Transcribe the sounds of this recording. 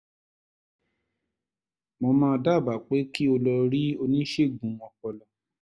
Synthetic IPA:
mõ˧mãː˦˧da˦˨ba˨k͡pe˨˦ki˦o˧lɔ˧ɾi˦o˧nĩ˦ʃe˦˨ɡũ˨˦ɔ̃˧˨kɔ˨lɔ˨

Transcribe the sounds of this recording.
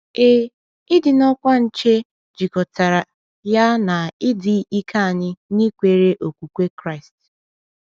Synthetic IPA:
e˦ | ɪ˦dɪ˨nɔ˦kʷa˦n̩˨t͡ʃe˦ | d͡ʒi˨kɔ˨ta˨ɾa˨ | ja˦na˨ɪ˦dɪ˨i˦kʰa˦a˨ɲɪ˦ni˦kʷe˨ɾe˦ʔo˨kʷu˨kʷe˦kɾa˦ɪ˨st

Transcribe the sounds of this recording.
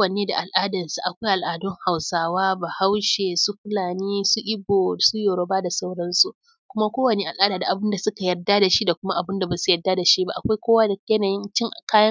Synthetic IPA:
ko˦wɐ˨neː˦da˨ʔa˨lʔaː˦dɐ˨rsu˨ʔa˨kʷa˦jʔa˨lʔaː˨dɔ˦ŋha˨wsaː˦waː˦ba˨ha˦wʃe˨su˦ɸɪ˦laː˨niː˦su˦ʔɪ˦boː˨su˦joː˨ɽo˦baː˦da˨sa˦wɽɐ˦nsu˦ʔ | kʷʊ˦ma˦kʷoː˦wɐ˨neː˦ʔa˨lʔaː˦da˨da˨ʔa˨bʊ˦nda˨sʊ˦ka˨jɐ˨rda˦da˨ʃi˦da˨kʷʊ˦ma˦ʔa˨bʊ˦nda˨baː˨su˦jɐ˨dːa˦da˨ʃi˦ba˦ʔa̰˨kʷa˦jkʷoː˦waː˦da˨jɐ˦naː˨jɪ˦nt͡ʃɪ˦ŋʔa˨kaː˦jɐ˦

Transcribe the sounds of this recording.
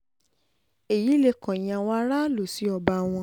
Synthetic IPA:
e˨ji˨˦le˧kɔ̃˨j̃ã˧wa˦ɾa˦lo˨si˨˦ɔ˧ba˧w̃ɔ̃˧

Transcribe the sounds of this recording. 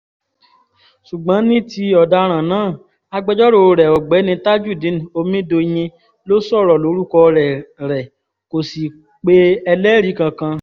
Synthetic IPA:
su˨ɡ͡bã˨˦nĩ˦ti˧ɔ˨da˧ɾ̃ã˨nãː˦˨ | a˧ɡ͡bɛ˧d͡ʒɔ˦ɾo˧˨˧ɾɛ˨ɔ˨ɡ͡bɛ˨˦nĩ˧ta˦d͡ʒu˦˨dĩ˨˦n˨o˧mĩ˦do˧j̃ĩ˧ | lo˦sɔ˦˨ɾɔ˨lo˨˦ɾu˦kɔ˧ɾɛ˨ɾɛ˨ | ko˨si˨ | k͡pe˧˦ɛ˧lɛ˦ɾi˨˦kã˧kã˧

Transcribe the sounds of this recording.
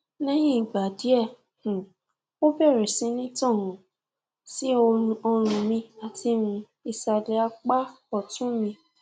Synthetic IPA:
nɛ̃˦j̃ĩ˦i˨ɡ͡ba˨di˨˦ɛ˦˨ | h̩˨ | o˦bɛ˦˨ɾɛ˨sĩ˨˦nĩ˦tɔ̃˦˨ɦũ˨˦ | si˦o˧ɾũ˧ɔ˧ɾ̃ũ˧mĩ˧a˨ti˧mũ˧ | i˨sa˨lɛ˨a˧k͡pa˦ | ɔ˦˨tũ˦mĩ˧

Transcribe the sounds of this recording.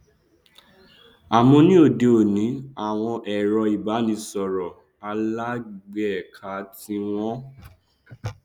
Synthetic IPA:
a˨mɔ̃˧nĩ˦o˦˨de˧o˨nĩ˨˦a˨w̃ɔ̃˧ʔɛ˨ɾɔ˧i˨ba˨˦nĩ˨˧˦sɔ˨ɾɔ˨ | a˧la˦ɡ͡bɛ˦˨kʰa˨˦ti˧w̃ɔ̃˦

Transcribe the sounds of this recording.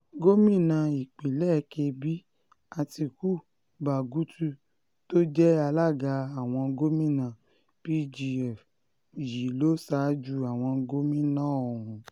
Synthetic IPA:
ɡo˦mĩ˦˨nã˨˧˨i˨k͡pe˨lɛ˦˨˧ke˧bi˦ | a˧ti˧ku˦˨ | ba˨ɡu˨˦tu˦ | to˦d͡ʒɛ˦a˧la˦˨ɡa˧a˨w̃ɔ̃˧ɡo˦mĩ˦˨nã˨ | pi˦d͡ʒi˧ɛ˦˨f | ji˨lo˦sa˨˦d͡ʒu˦a˨w̃ɔ̃˧ɡo˦mĩ˦nã˦˨o˨ɾ̃ũ˧

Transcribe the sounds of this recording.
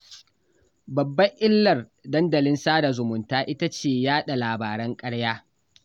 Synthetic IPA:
bɐ˨bːɐ˦ʔɪ˦lːɐ˨rdɐ˦ndɐ˨lɪ˦nsaː˦da˨zʊ˨mʊ˨ntaː˦ʔɪ˦ta˦t͡ʃeː˨jaː˦ɗa˨laː˨baː˨ɾɐ˦ŋkʼɐ˦ɽjaː˦

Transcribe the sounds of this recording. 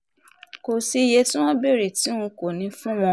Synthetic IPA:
ko˨si˧je˧tĩ˦w̃ɔ̃˦be˦˨ɾe˨ti˨˦ũ˧ko˨nĩ˨˧˦fũ˦w̃ɔ̃˧

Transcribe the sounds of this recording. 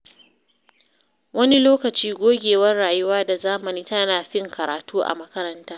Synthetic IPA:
wɐ˦ni˦loː˦kɐ˨t͡ʃiː˦ɡʷoː˦ɡʲeː˨wɐ˦rɽaː˨jʊ˦waː˦da˨zaː˦mɐ˨niː˦tɐ˦naː˨ɸɪ˦ŋkɐ˨ɾaː˨tuː˦ʔa̰˨mɐ˦kɐ˦ɾɐ˦ntaː˦

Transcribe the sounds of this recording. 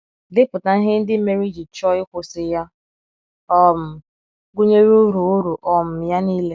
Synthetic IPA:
dɪ˦pʊ˨ta˨n̩˦ɦɪ˦n̩˦dɪ˦me˦ɾi˦d͡ʒi˨t͡ʃɔ˦ɪ˦kʷʊ˨sɪ˨ja˦ | ɔ˦m̩˨ | ɡʊ˦ɲe˦ɾu˦ɾu˨ʊ˦ɾu˨ʔɔ˨m̩˨ja˦niː˦le˦

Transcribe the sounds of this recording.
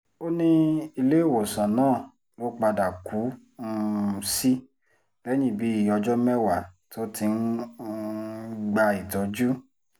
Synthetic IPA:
o˦nĩ˦i˧le˦˨wo˨sã˨nãː˦˨ | lo˦k͡pa˧da˨ku˨˦ | n̩˧si˦ | lɛ˦j̃ĩ˦˨bi˨˦i˦˨ɔ˧d͡ʒɔ˦mɛ˦wa˦˨tʰo˦ti˧n̩˦ | ɡ͡ba˧i˨tɔ˨˦d͡ʒu˦

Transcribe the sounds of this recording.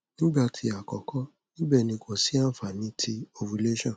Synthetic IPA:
nĩ˦ɡ͡bɛ˦ɔ˧tʰi˧a˨kɔ˨kɔ˦ | nĩ˦bɛ˦˨nĩ˧˨kɔ̃˨si˦ã˦˨fa˨nĩ˨˦tʰi˧o˧wu˧le˦ʃɔ̃˦˨

